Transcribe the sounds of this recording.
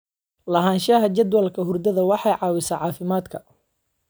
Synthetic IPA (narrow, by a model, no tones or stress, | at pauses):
lɐɦaːnʃɐɦɐt͡ʃɐd̪wɐlkʰɐɦʊrd̪ɐðɐwɑħɑjʕɑːwɪsɐːʕɑːfɪmaːd̪kʰɐ